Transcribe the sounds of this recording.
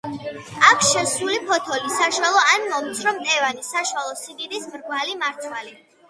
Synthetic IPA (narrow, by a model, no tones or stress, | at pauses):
akʷʰʃɛsulipʰɔt̪ʰɔlisaʃwalˠɔanmɔmt̪sʰɾɔmt̪ʼɛvanisaʃwalˠɔsiɡid̪ismɾɡwalimaɾt̪sʰwali